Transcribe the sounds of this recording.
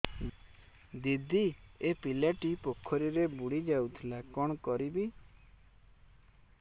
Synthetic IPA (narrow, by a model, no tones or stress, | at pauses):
d̪id̪ʱiepilaʈipokʰɔɾiɾebuɽid͡ʒawt̪ʰilakɔɽ̃ɔkɔɾibi